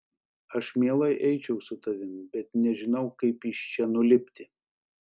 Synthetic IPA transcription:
ɐʃmʲeɛlˠɐɪʔɛɪt͡ʃʲɛʊsʊt̪ɐʋʲɪnbʲɛt̪nʲɛʒʲɪnɐʊkɐɪpɪʃt͡ʃʲɛnʊlʲɪpʲt̪ʲɪ

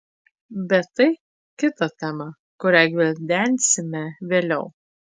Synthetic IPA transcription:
bʲɛt̪ːɐɪ | kʲɪt̪ɐt̪ʲæmɐ | kʊɾʲæːɡʲʋʲɪlʲd̪ʲænʲsʲɪmʲɛʋʲeːlʲɛʊ

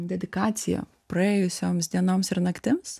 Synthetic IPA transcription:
d̪ʲɛd̪ʲɪkɑːt̪sʲɪjɛ̰ | pɾɐɛːjʊsʲoːmsʲd̪ʲiɛnoːmsɪɾnɐkt̪ʲɪms

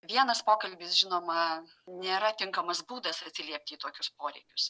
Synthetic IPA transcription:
ʋʲiɛnɐspoːkɐlʲbʲɪsʒʲɪnoːmɐ | nʲeːɾɐt̪ʲɪŋkɐmɐsbuːd̪ɐsɐt̪ʲsʲɪlʲiɛp̚ʲt̪ʲɪiːt̪oːkʲʊspoːɾʲɛɪkʲʊs

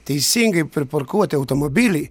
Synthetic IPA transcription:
t̪ʲiːsiŋɡipɾipɔɾkuɔt̪ʲiawt̪omɔbʲilʲi

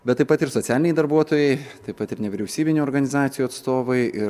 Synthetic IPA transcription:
bʲɛt̪ːɐɪpɐt̪ɪɾsot̪ʲæːlʲɪnʲɛɪd̪ɐɾbuɔt̪oːjɛɪt̪ɐɪpɐt̪ɪɾnʲɛʋʲɪɾʲɛʊsʲiːbʲɪnʲuːɔːɾɡɐnʲɪzɑːt̪sʲɪjuːɐt̪st̪oːʋɐɪɪ

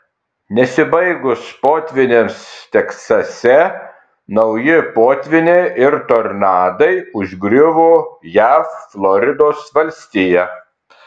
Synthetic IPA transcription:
nʲɛsʲɪbɐɪɡʊspoːt̪ʲʋʲɪnʲeːmst̪ʲɛksɐsʲɛ | nɒʊjɪpoːt̪ʲʋʲɪnʲeʔɪɾt̪oɾnɑːd̪ɐɪʊʒʲɡɾʲʊʋoːjæːfflˠɔɾʲɪd̪oːsʋɐlʲsʲt̪ʲɪjɛ

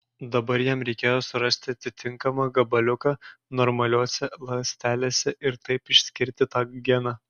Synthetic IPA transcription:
d̪ɐbɐɾjɛmɾʲɛɪkʲeːjoːsʊɾɐsʲt̪ʲɪɐt̪ʲɪt̪ʲɪŋkɐmɑːɡɐbɐlʲʊkɑːnɔɾmɐlʲoːsʲɛlˠɐsʲt̪ʲæːlʲeːsʲɛʔɪɾt̪ɐɪpɪʃʲsʲkʲɪɾʲt̪ʲɪt̪ɑːɡʲɛnɑː

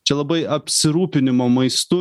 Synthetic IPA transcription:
t͡ʃʲɛlˠɐbɐɪɐpʲsʲɪɾuːpʲɪnʲɪmoːmɐɪst̪ʊ

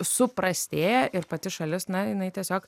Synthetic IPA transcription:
sʊpɾɐsʲt̪ʲeːjɛʔɪɾpɐt̪ʲɪʃɐlʲɪsnɐjɪnɐɪt̪ʲiɛsʲoːk

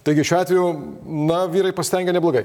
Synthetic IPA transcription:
t̪ɐɪɡʲɪʃʲuːɑːt̪ʲʋʲeɛju | nɐʋʲiːɾɐɪpɐsʲt̪ʲɛŋʲɡʲɛnʲɛblˠoːɡɐɪ

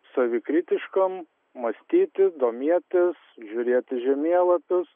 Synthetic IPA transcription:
sɐʋʲɪkɾʲɪt̪ʲɪʃkɐm | mɐsʲt̪ʲiːt̪ʲɪd̪oːmʲiɛt̪ʲɪs | ʒʲʊɾʲiɛt̪ʲɪʒʲɛmʲiɛlˠɐpʲʊs

